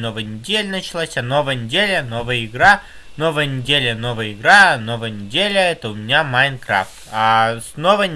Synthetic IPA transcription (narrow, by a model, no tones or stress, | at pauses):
novəjənʲɪdʲelʲənət͡ɕɪlˠasʲano̞vəjənʲɪdʲelʲənovəjəɪɡɾa | no̞vəjənʲɪdʲelʲəno̞vəjəɪɡɾanovəjənʲɪdʲelʲəɛt̪əʊmʲɪnʲamajnkɾa̰ft̪asnovə